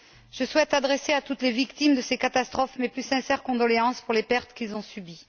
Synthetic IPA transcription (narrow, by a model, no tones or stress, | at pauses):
ʒ̥əswɛt̪ad̪ʁeseat̪ut̪levikt̪imd̪əsekat̪ast̪χɔfmɛplysɛ̃sɛʁkɔ̃d̪ɔleɑ̃spuʁlepɛʁt̪kʲilzɔ̃sybi